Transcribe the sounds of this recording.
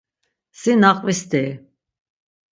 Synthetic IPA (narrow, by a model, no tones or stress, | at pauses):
sinaqʼvist̪i